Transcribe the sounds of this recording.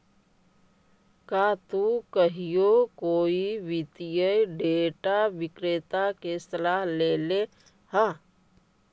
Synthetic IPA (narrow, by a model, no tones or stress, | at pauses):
kaːt̪ukəɦijokoːiʋɪt̪ijəjɖeːʈaʋɪkɾeːt̪akesɐlaːɦleːle | ha